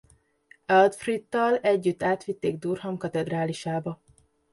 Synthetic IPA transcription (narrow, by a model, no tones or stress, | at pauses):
ɛld̪frit̪ːɒlɛɟːyt̪ːaːt̪ʋit̪ːeːɡ̚d̪uːrɦɒmkɒt̪ɛd̪raːliʃaːbɒ